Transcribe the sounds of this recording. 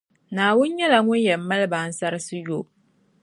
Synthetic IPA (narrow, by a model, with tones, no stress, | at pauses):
naː˨wʊ˦nɲɛ˦la˨ŋʊ˦njɛ˨˦mːa˦lba˨˦n̩˦sa˦ɾɨ˦sɨ˦jo˦p̚